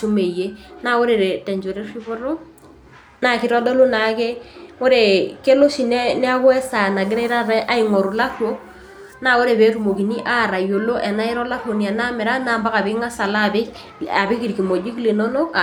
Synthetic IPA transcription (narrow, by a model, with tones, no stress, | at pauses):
ʃu˦me˨ie˦na˦o˦ɾe˨ɾe˨tɛ˨ɲd͡ʒo˨ɾe˦ri˦βo˦ɾo˦ | na˦ki˨ɾɔ˦dɔ˦lo˦na˨ke˦o˦ɾe˨ke˦lo˦ʃi˨nɛ˦ne˦a˦ɣwɛ˦sa˨na˨ɡe˦ɾɛ˦ɾa˦ɾɛ˦ʔa˦iŋɔ˨ɾo˨la˦ɾwo˦ | na˦˨o˦ɾe˨βe˦ɾu˦mo˨ki˨ni˦ʔa˦˨ɾa˨jo˨lo˦ʔɛ˨na˦e˦ɾɔ˦la˦ɾwo˨ni˨a˨na˦mɛ˨ɾa˦naː˦˨mba˦ɣa˨βe˦ŋa˦sa˨laβ | a˨βi˦ki˦ɾi˨ki˨mo˨d͡ʒi˦kle˨nɔ˦no˦